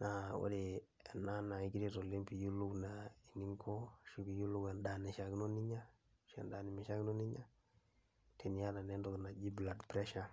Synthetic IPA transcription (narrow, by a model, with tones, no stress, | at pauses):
na˨o̰˦de˨ɛ˨na˦na˨i˨ɡi˦ɾi˦to˨li˦mpi˨ju˦lu˦knai˨ni˦ŋkʰo˦ʃu˦ki˨ju˦lu˦kɛ˨nda˨ni˨ʃa˨kno˦ni˦ɲa˦ | ʃɛ̰˨nda˨ni˨mi˨ʃa˦ɡno˦ni˦ɲa˦ | te˨n˨ja˦la˨nɛ˦ndɔkna˨d͡ʒi˦bla˨dpɾɛ˦ʃa˨